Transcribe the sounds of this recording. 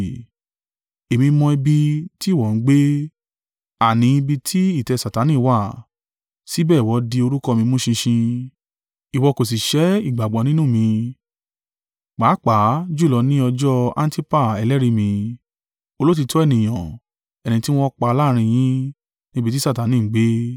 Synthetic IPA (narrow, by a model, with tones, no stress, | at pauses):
e˨mĩ˧mɔ̃˧ɛ˧bi˧ti˦˨wɔ˨n̩˦ɡ͡be˦ | a˨nĩ˨˧˦i˧bi˧tʰi˦i˦˨tɛ˧˨sa˨ta˨˦nĩ˦˨wa˦˨ | si˦bɛː˦˨wɔ˨˧˦di˧o˧ɾu˦kɔ˦˧mĩ˧mũ˦ʃĩ˧ʃĩ˧ | i˨wɔ˧ko˨s̬i˨ʃɛ˨˦i˦˨ɡ͡ba˨ɡ͡bɔ˨˦nĩ˦nũ˦˨mĩ˧ | k͡paː˨˦k͡pa˨˦d͡ʒu˦˨ɔ˨˧nĩ˦ɔ˧d͡ʒɔ˦ã̰˦n˦ti˦pa˦˨ɛ˧lɛ˦ɾi˧˦mĩ˧ | o˧lo˦t̬i˧tʰɔ˦ɛ˦˨nĩ˨j̃ã˨ | ɛ˨nĩ˧ti˦w̃ɔ̃˦k͡pa˧laː˦˧ɾ̃ĩ˧j̃ĩ˦ | nĩ˦bi˧t̬i˦sa˦˨ta˨˦nĩ˦˨˦ɡ͡be˦